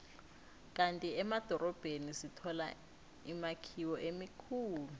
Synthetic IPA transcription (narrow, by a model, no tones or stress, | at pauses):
kʼantʼiɛmad̥ʱɔɾɔb̥ʱenisitʰɔla̰ | imakʰiwɔʔemikʰuːlu